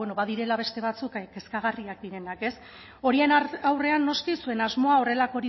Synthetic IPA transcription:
eno̞βaðiɾe̞laβe̞st̪e̞β̞at͡sukke̞skaɣariakd̪iɾe̞nake̞s | o̞ɾie̞nawre̞anːo̞skisue̞nazmo̞ao̞re̞lako̞ɾi

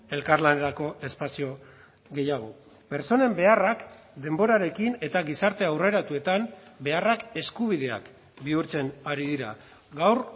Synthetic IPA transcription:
e̞lkarlane̞ɾako̞e̞spasio̞ | ɣe̞jaɣ̞o̞ | be̞ɾso̞ne̞mbe̞arak | d̪e̞mbo̞ɾaɾe̞kine̞t̪aɣisaɾt̪e̞awre̞ɾat̪ue̞t̪ambe̞arake̞skuβ̞iðe̞a̰k | biuɾt͡se̞naɾiðiɾa | ɡawr

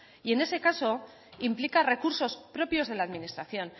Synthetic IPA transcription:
ie̞ne̞se̞kaso̞ | implikare̞kuɾso̞spɾo̞pjo̞zðe̞laːðminist̪ɾaθjo̞n

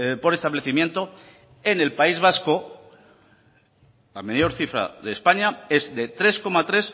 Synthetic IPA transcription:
po̞ɾest̪aβle̞θimjent̪o̞ | e̞ne̞lpaizβ̞asko̞ | lamejo̞ɾθifɾa̰ðe̞spaɲae̞zd̪e̞t̪ɾe̞sko̞mat̪ɾe̞s

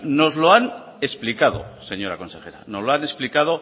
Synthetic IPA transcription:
no̞zloan | esplikaðo̰se̞ɲo̞ɾa̰ko̞nsexe̞ɾa̰nozloane̞splikað̞o

